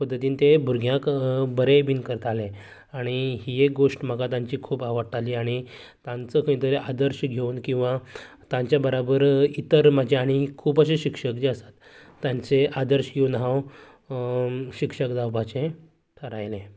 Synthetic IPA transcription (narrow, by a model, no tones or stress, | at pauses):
pəd̪ʱːət̪iːnt̪ebʱuɾɡʱjãkbəɾebinkəɾt̪ale | aɽ̃iiek̚ɡoʂʈm̤əɡat̪ãɲt͡ɕiːkʰuːpaʋəɽʈaliːaɽ̃i | t̪ãnt͡səkʰəĩt̪əɾeʔad̪əɾɕɡʱeunkĩw̃ʋa | t̪ãɲt͡ɕjabəɾabəɾit̪əɾmad͡ʑʱeaɽ̃ikʰuːpəɕ̬eɕikʂəkd͡ʑeəsḁt̪ː | jaɲt͡seʔad̪əɾɕɡʱeunɦãw | ɕikʂəkd̪awbʱat͡ɕẽ | ʈʰəɾajlẽ